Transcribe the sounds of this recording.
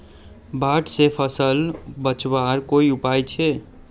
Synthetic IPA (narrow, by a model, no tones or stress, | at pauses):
baʈsepʰəsəlbət͡ʃwaɾkoiupajt͡ʃʰe